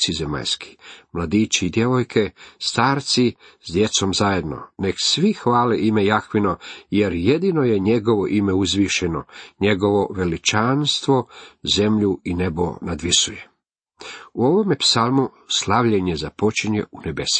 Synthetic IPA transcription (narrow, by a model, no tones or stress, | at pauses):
sizema̰ʎski̥mlad̪iːt͡ɕiid̪je̞ʋo̞jkʰe̞st̪aːɾt̪sizd̪je̞t̪so̞mzaje̞d̪no̞̰ne̞ksʋixʋaːleʔime̞jaxʋino̞je̞ɾje̞d̪ino̞je̞ɲe̞ɡo̞ʋoʔime̞uzʋiːʃeno̞ɲe̞ɡo̞ʋo̞ʋe̞lit͡ʃanst̪ʋo̞ze̞mʎuine̞bo̞̰nad̪ʋisuje | uoʋo̞mepsalˠmu | slˠaʋʎeɲezapo̞t͡ʃiɲe̞̰unebe̞si̥